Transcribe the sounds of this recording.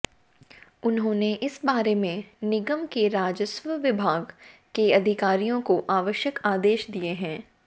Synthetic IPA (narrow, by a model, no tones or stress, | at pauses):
ʊnɦõːneʔɪsbaːɾemẽnɪɡəmkeɾaːd͡ʒəswəʋɪbʱaːɡkeɐd̪ʱɪkaːɾijõkoʔaːʋəʃjəkaːd̪eːʃd̪ieɦɛ̃ː